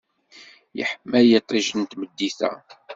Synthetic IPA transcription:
jə̰ħəmːæjet̪ˤːɪʒənt̪məd̪ːiθæ̰

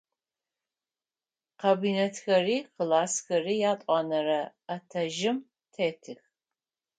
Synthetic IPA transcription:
qɐbiːnetxɐriːqɨlaːsxɐriːjaːtʼɑːnɐɾɐɐtʰɐʒɪm | tʰeːtʰɨx

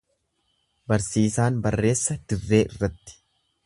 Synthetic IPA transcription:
bɐɾsiːsaːnbɐrːe̞ːsːɐd̪̥ɪrːe̞ːʔɪrːɐt̪ːɪ̥

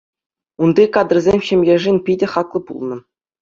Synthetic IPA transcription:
und̪ikɑd̪ɤ̆rzʲemʲɕɘ̆mʲjʲeʐinʲpʲidʲɘ̆χɑklˠɤ̆pṵlˠnɤ̆

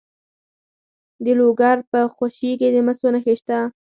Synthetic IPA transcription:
d̪əloɡaɾpəxoʃiked̪əmasonaxeʃt̪a

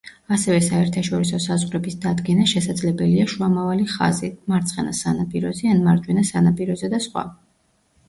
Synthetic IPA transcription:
asɛvɛsaɛɾt̪ʰaʃɔɾisɔsazʁɾɛbisd̪ad̪ɡɛnaʃɛsad̪zlɛbɛliaʃuamavaliχa̰zimaɾt̪sʰʼχɛnasanapʼiɾɔ̰zɛanmaɾd͡ʒwɛnasanapʼiɾɔzɛd̪asχwa̰

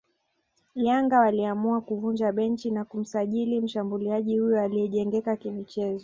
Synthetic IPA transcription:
ljaŋɡawaliamuakuvund͡ʒaɓɛnt͡ʃinakum̩saʄilim̩ʃambuliaʄihujɔaliɛʄɛŋɡɛkakimit͡ʃɛzɔ

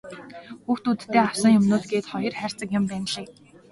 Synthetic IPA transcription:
xuːxt̪uːt̪ʰt̪ːeːawsə̆ŋjʊmnʊːt̪ɡeːt̪χɔjɞ̆rχær̥ʲt͡sə̆kjʊ̆mpæːnɮiːk

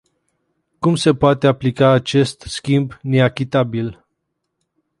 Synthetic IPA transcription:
kumse̞poat̪eaplikaːt͡ʃe̞st̪skʲimbne̞akʲit̪abil

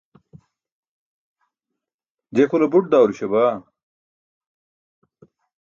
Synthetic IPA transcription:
d͡ʑekulɐbuʈ̚d̪aːwɾuɕɐbaː

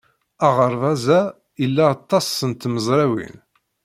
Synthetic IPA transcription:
æʁəɾˤvæzæ | ilːæːt̪ˤːɑsˤːənt̪məzˤɾæwḭn

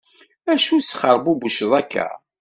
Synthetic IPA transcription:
æʃut͡sːχəɾˤbubəʃəðˤækːæ̰

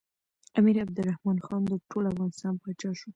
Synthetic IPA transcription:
amiɾab̚d̪əlɾːahmɑnxɑnd̪əʈolafɣɑnɪst̪ɑnpɑt͡ʃɑʃu

